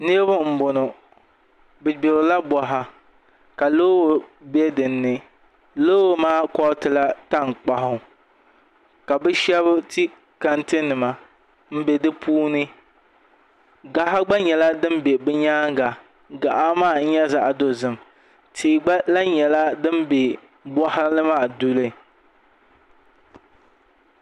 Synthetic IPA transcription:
nɨ˦ɾbʊ˦m̩˨bʊ˨nʊ˨ | bɨ˨bo˨lla˦bɔ˨ɦa˨ | ka˨loː˦wbɛ˦dɨ˨nːɨ˦ | loː˦maː˦kɔ˦tɨ˦la˦ta˦˨ŋ˨k͡pa˦ɦʊ˦ | ka˨bɛ˦ʃɛ˦βʊ˦ti˦ | ka˨ntɨ˦nɨ˨ma˨ | m̩˦be˨dɨ˦puː˦nɨ˦ | ɡa˦ɦa˦ɡ͡ba˦ɲɛ˨la˦dɨ˦mbe˨bɛ˦ɲaː˦ŋ˦ɡa˨ | ɡa˨ʔa˦maː˦˨n̩˦ɲɛ˦za˨ʔa˨do˨zɨ˨m | tʰi˨ʔɡ͡ba˦la˦ɲɛ˨la˦dɨ˦mbe˨ | bɔ˦ha˦nɨ˦maː˦du˦lɨ˦

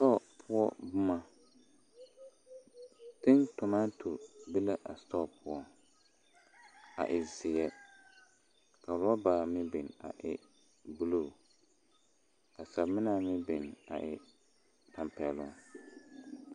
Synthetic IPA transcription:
tɔ˦˨pʰʊ˦ɔ˦bʊ˦ma˦ | tɪ˦ntʊ˨ma˦tʰu˨ɾbi˦la˦ʔa̰˨stɔ˦˨pʰʊ˦ɔ˦ | a̰˨ʔɪ˨zɪ˨jɛ˦ | ka˨ɾʊ˦a˦baː˨mɪ˦bɪ˨na̰˨ʔɪ̰˨ | bu˦lu˦˨ | ka˨sa˨bmɪ˦na˦mɪ˦bɪ˨na̰˨ʔɪ˨ | ta˨mpɛ˨lʊ̰˦ŋ

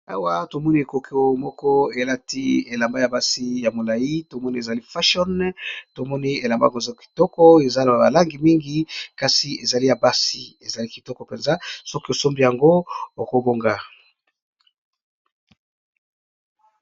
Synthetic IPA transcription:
a̰˨wa˦to˨mɔ˦ni˦e˨ko˨kʰe˦o˦mɔ˦kɔ˦e˨la˦ti˦e˨la˨mba˦ja˨ba˦si˦ja˨mo˨la˨ji˦to˨mɔ˦ni˦e˨za˨li˦fa˦ʃɔ˦nto˨mɔ˦ni˦e˨la˨mba̰˦ko˨zɔ˦ki̥˨tɔ˦kɔ˦e˨za˦la˨ba̰˨la˦ŋɡi˨mi˦ŋɡi˦ka˨si˨e˨za˨li˦ja˨ba˦si˨e˨za˨li˦ki̥˨tɔ˦kɔ˦pe˨nza˦so˦ki˦o˨so˦mbi˦ja˨ŋɡo˦o˨ko˨bo˦ŋɡa˨

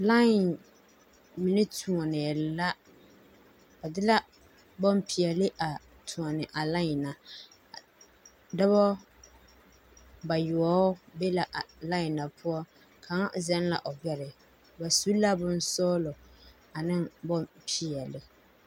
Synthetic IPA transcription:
la˦ɪ˨n | mɪ˨nɪ˦tʰu˨ɔ˨nɛ˨la˦ | ba˨dɪ˦la˦ | bɔ˦m˦pi˨ɛ˨lɪ˦ʔa˨ | tʰu˨ɔ˨nɪ˨ʔa˨la˦ɪ˨na˨ | dɔ˦βɔ˦ | ba˨jʊ˨ɔ˦be˦la˨ʔla˦ɪ˨na˨pʰʊ˦ɔ˦ | kʰa˨˦ŋ˦zɛ˦n˦la̰˨ʔɔ˨bɛ˨ɾɪ˨ | ba˨su˦la˦bʊ̃˦n˦sɔː˦lɔ˨ | a˨nɪ˦ŋbɔ˦mpʰi˨ɛ˨lɪ˨

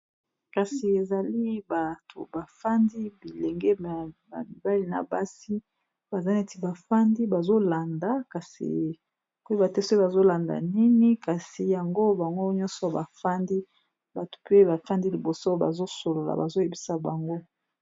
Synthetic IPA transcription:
ka˨si˨e˨za˨li˦ba˨tʰo̰˨ba˨fa˦ndi˦bi˨le˨ŋɡɛ˦˨ | a˨mi˨ba˦li˦na̰˨ba˦si˦ | b̥a˨za˦ne˦ti˨˦ba˨fa˦ndi˦ba˨zo˦la˨nda˨ka˨sḭ˨ | ko˦i˦ba˨tɛ˦so˦ba˨zo˦la˨nda̰˨ni˦ni˦ka˨si˨ja˨ŋɡo˦ba˨ŋɡo˦ɲɔ̃˦nsɔ˨ba˨fa˦ndi˦ | ba˨to̥˨pe˦ba˨fa˦ndi˦li˨bo˨so˦ba̰˨zo˦so˨lo˨la̰˨ba˨zo˦je˨bi˦sa˨ba˨ŋɡo˦

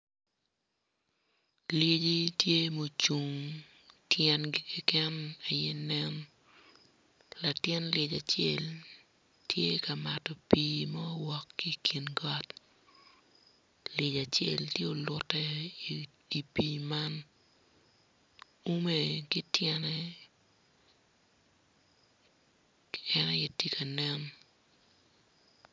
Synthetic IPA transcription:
le˦d͡ʒi˦tje˦mo˨t͡ʃu˨ŋ | tjɛ˦nɡi˦ki˦kɛ˦na˨je˦nɛ˦n | la˨tjɛ˦nlje˨d͡ʒa˨t͡ʃe˦l | tje˦ka˨ma˨tɔ˨piː˦mɔ˦wɔ˨kːi˦kʰi˨nɡɔ˦t | le˨d͡ʒa˨t͡ʃe˦ltje˦o˨lʊ˦tɛ˦ | i˨piːma˦n | u˦me˨kɪ˦tjɛ˦nɛ | ɛ˦na˦jɛ˦ti˦ka˨nɛn

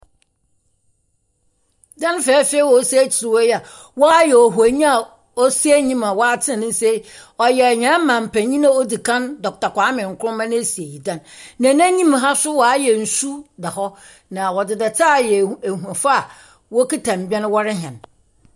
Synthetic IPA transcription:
dã˦n˦fɛː˨˦fe˦i˦wɔ˨˦sæ˦t͡ɕʰi˨ɾɪ˨wɔ˦jɛ˦a˨ | wɔ˦a˦jɛ˨ɔ˨ɦu˨ɲĩ˦a˨ | ɔ˦si˦æ˦ɲĩ˦ma˨wɔ˦a˦tʰɪ˦˨nʊ̃˦n˦se˦ | ɔ˨jɛ˨ɲã˨˦a˦mã˨m̩˨pʰæ̃˨ɲĩ˦nã˦o˦di˨kʰã˦ndɔ˨k̚ta˨kʷa˨˦mɪ̃˨ŋ̩˨kʰʊ˦ɾʊ̃˦mã˦ñ˦e˦si˨e˨ji˨dã˦nːã˨nã˦ɲĩ˦mɦa˦sʊ˦wɔ˨a˦jɛ˨n̩˨su˦da˨hɔ˦ | nã˨wɔ˨dɪ˨dɛ˨tʰa˦˨jɛ˨e˨hu˨a˨fa˦a˨ | wɔ˦ki˦tʰã˨m̩˨bɛ˦ñ˦wɔ˦ɾɪ˦ɦɛ̃˨n

